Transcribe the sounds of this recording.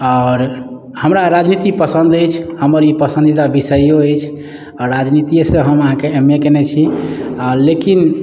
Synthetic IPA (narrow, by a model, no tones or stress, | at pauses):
ɔɾ | həmɾaɾad͡ʒnit̪ipəsə̃nd̪əjt͡ʃʰhəməɾipəsə̃nd̪it̪abisəjoəjt͡ʃʰ | ɔɾːad͡ʒnit̪ieseɦəməɦãkeemːekenɛt͡ʃʰiɔɾlekin